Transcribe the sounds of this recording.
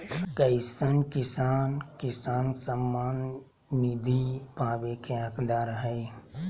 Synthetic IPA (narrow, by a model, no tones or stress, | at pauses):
kəɪsənkɪsaːnkɪsaːnsəmːaːnː | id̪ʱipaːʋekeəkd̪aːɾɦɛj